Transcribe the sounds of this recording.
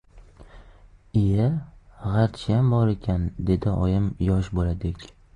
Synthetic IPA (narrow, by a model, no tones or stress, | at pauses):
ijaʁaɾt̪t͡ʃʰjambɒɾekʲʰand̪e̞d̪ɪɒ̰jɪmjɒʃbolad̪ɪkʲ